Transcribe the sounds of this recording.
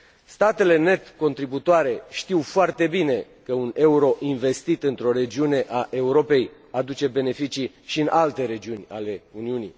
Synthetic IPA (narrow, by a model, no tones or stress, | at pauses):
st̪at̪e̞le̞ne̞t̪ko̞nt̪ɾibut̪oaɾe̞ʃt̪iwfoart̪e̞bine̞ | kəune̞uɾo̞ʔinve̞st̪it̪ɨnt̪ɾo̞ɾe̞d͡ʒiune̞ʔaʔe̞uɾo̞pe̞j | ad̪ut͡ʃe̞be̞ne̞fit͡ʃi | ʃiɨnʔalt̪e̞ɾe̞d͡ʒiunʲa̰le̞uniunḭ